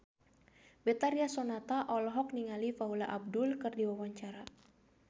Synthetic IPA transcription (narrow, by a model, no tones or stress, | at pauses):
bɛt̪aɾiasɔnat̪aʔɔlɦɔk̚niŋalifaulaʔab̚dʊlkɨrdiwawaɲt͡ʃaɾa